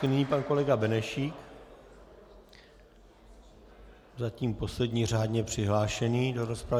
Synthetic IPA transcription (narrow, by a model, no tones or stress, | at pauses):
nɪɲiːpanko̞lɛɡabɛnɛʃiːk | zaciːmpo̞slɛdɲiːr̝aːdɲɛpr̝̥ɪɦlaːʃɛniːdo̞ɾo̞spɾav